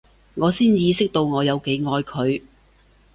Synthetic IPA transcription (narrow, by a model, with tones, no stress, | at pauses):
ŋɔː˨˧siː˥njiː˧sɪ˥k̚t̪o˧wŋɔː˨˧jɐ˨˧wke˨˥jŋɔː˧jkʰɵ˨˧ɥ